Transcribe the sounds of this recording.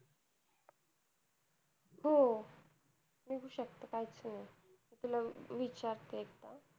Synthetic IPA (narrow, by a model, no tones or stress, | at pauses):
ɦo | miɡuɕək̚t̪əkajit͡snajit̪ulaʋit͡ɕaɾt̪ekt̪a